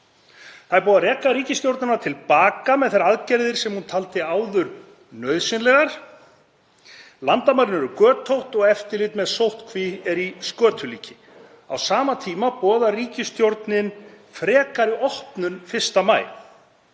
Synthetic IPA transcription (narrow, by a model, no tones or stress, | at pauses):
θaðɪɾpɔːðaɾɛːkaɾiːcɪst̪jowɾt̪nanaɾt̪ʰɪlpaːkamɛðθaɾaðcɛɾðɪɾ̥sɛmhunt̪ʰalt̪ɪaːwðʏɾ | nœɥðsɪnlɛɣaɾ̥ | lant̪amaɾɪnɛɾʏkœːt̪ʰowht̪ɔɣɛft̪ɪlɪːt̪mɛðsowht̪kʰviɛɾiskœːt̪ʰʏlḭːcɪ | a̰wsaːmat̪ʰiːmapɔːðariːcɪst̪jowɾt̪nɪn | fɾɛːkaɾɪɔhpnʏnfɪr̥st̪amaːjl